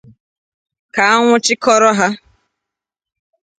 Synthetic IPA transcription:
ka˨a˦ŋʷʊ˦t͡ʃɪ˦kɔ˦ɾɔ˦ɦa˦

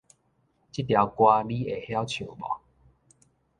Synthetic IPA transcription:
t͡ɕi˦t̚t̪ja˨˧˩wkwa˧li˦e˨˩hja˦wt͡ɕʰjo˨˩bɔ̰˨˦

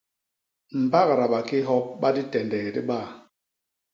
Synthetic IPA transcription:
m̩˨ba˦ɣɾa˨ɓa˨ki˦ɦɔ˦p̚ɓa˦di˦tɛ˨ndɛ˨ɣɛ˨di˦ɓa˦˨

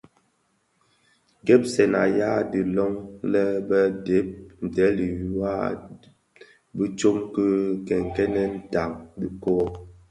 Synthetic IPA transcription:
ɡɛ˦p̚sɛ˨na˨ja˦di˨lɔ˦ŋlɛ˦bə˦de˨˦p̚n̩˨tɛ˨˦li˨ju˦a˦ | bi˦t͡ʃo˦mkə˦kɛ˨ŋ˨kɛ˦nɛ˦n̩˦ta˨ŋdi˦kɔ˦

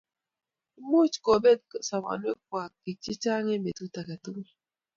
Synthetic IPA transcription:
mo˦˨t͡ʃko˨be˦d̚sa˨ma̰˨n˦e˦k̚wa˨ki˨t͡ʃi˦t͡ʃa˦ŋe˦me˨tu˦ta˨ka˨tu˦ŋe˦

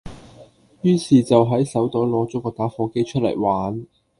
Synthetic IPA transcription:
jyː˥siː˨t͡sɐ˨wɦɐ˨˥jsɐ˨˥wt̪ɔː˨˥jlɔː˨˥t͡sɔː˨˥kɔː˧t̪aː˨˥fɔː˧ke˥jt͡ʃʰɵ˥lɐ̰˨˩jwaː˨˥n

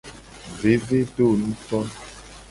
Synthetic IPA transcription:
ve˨˦ve˦ɖo˦˨nũ˦tɔ˦n

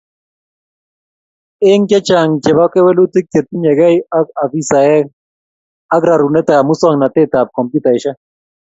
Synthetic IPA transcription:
ɪ˦ŋkɛ˦t͡ʃa˨ŋt͡ʃɛ˨βa˦kɛ˦wɛ˦lu˦t̪i˦kːe˨t̪̚i˦ɲɛ˨ɡɛ˦ja˦ka˨vi˦sa˨ɛ˦ | a˦ɡɾa˨ɾu˨nɛ˦t̪ɛ˨a˨mu˦sɔ˦ŋna˨t̪e˦t̪a˨p̚kɔ˨mpju˦t̪a˨ɪ˨ʃa˦

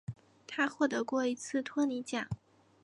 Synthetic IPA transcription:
t̪ʰa˥xwɔ˥˩t̪ɤ˧˥kwɔ˥˩i˧˥t͡sʰɹ̩˥˩t̪ʰwɔ˥ni˧˥t͡ɕjɑ˨˩˦

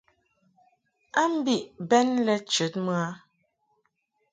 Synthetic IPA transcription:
a˦m̩˦bi˦ʔbɛ˦nlɛ˦t͡ʃə˨˦tmɰa˦

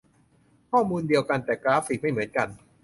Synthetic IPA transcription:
kʰɔː˥˩muː˧ndi˧əwka˧nt̪ɛː˨˩kɾaː˦˥fiː˨˩k̚ma˥˩jmɯ˩˦ənka˧n

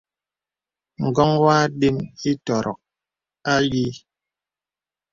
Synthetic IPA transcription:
ŋ̩˨ɡɔ˦ŋwaː˦ɗe˦mi˦tɔ˨ɾʔɔ̰˨k̚ | a˦li˦

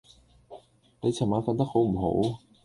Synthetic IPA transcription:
ne˨˧t͡sʰɐ˨˩maː˨˧˥nfɐ˧nt̪ɐ˥k̚ho˨˥wm̩˨˩ɦo̰˨˥w

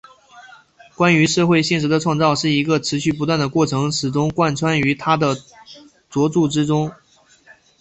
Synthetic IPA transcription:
kwa˥ny˧˥ʂɤ˥˧xwe˥˧ɪɕɛ˥˩nʂ̬̩˧˥d̪ə˧ʈ͡ʂʰwɑ˥˧ŋt͡sɑ˥˧ʊʂɻ̩˥˩i˧˥ɡə˧ʈ͡ʂʰɻ̩˧˥ɕy˥˩p̬u˧˥t̪wa˥˩nd̪ə˩kwɔ˥˩ʈ͡ʂʰɤ˧˥ŋʂɻ̩˨˩ʈ͡ʂʊ˥ŋkwa˥˩nʈ͡ʂʰwa˥ny˧˥t̪ʰa˥d̪ə˨ | t͡swɔ˧˥t͡su˥˩ʈ͡ʂɻ̩˥ʈ͡ʂʊ˥ŋ

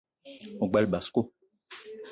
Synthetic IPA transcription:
o˨ɡ͡ba˨lɓa˨sko˦

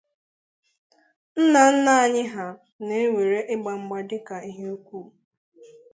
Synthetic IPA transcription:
n̩˦na˨n̩˦na˦a˨ɲɪ˦ɦa˨ | ne˨e˦ŋʷe˨ɾe˦ʔɪ˦ɡ͡ba˨ŋ͡m̩˦ɡ͡ba˨dɪ˦ka˨i˦ɦe˦u˦kʷu˦˨

